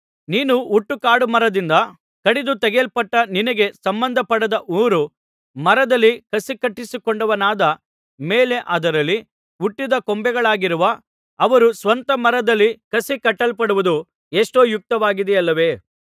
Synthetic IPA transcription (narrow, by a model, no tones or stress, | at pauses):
niːnuuʈːukaːɽumɐɾɐd̪ind̪ɐ | kɐɽid̪ut̪ɛɡelpɐʈːɐninɐɡe̞sɐmbɐnd̪ʱɐpɐɽɐd̪ɐʔuːɾu | mɐɾɐd̪ɐlːikɐsikɐʈːisikoɳɖɐʋɐnaːd̪ɐ | meːle̞ʔɐd̪ɐɾɐlːi | uʈːid̪ɐkombɛɡɐɭaːɡiɾuʋɐː | ʋɐɾusʋɐnt̪ɐmɐɾɐd̪ɐlːikɐsikɐʈːɐlpɐɽuʋud̪u | eʂʈoːjuk̚t̪ɐʋaːɡid̪ɛjɐlːɐʋe̞ː